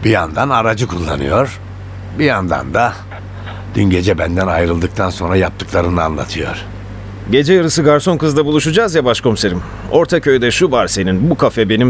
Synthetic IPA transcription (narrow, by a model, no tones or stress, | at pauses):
bijand̪anaɾad͡ʒɯkʰulˠːa̰nɯjo̞ɾ̥ | bijand̪a̰nd̪a | d̪̥ynɟe̞d͡ʒɛbænd̪ænajɾɯlˠd̪ɯk̚t̪ʰanso̞nɾajap̚t̪ʰɯklˠaɾɯnɯa̰nlˠa̰t̪ʰɯjo̞̰ɾ̥ | ɟe̞d͡ʒɛjaɾɯsɯɡaɾso̞nkɯzd̪abulˠuʃud͡ʒazjabaʃkʰo̞mse̞ɾim | o̞ɾt̪ʰacʰø̞jd̪ɛʃuvaɾse̞ninbukʰafɛbe̞nim